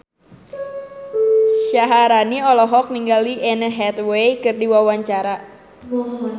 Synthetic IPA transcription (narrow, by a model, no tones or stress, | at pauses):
ʃaɦaɾaniɔlɔɦɔk̚niŋɡaliʔɛnəɦɛt̪wejkɨrdiwawaɲt͡ʃaɾa